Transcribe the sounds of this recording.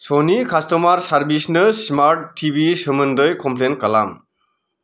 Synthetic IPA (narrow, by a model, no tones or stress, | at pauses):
sonikastɔmaɾsaɾbisnɯsmaɾtːʰibisɯmɯndɯjkɔmplenkala̰m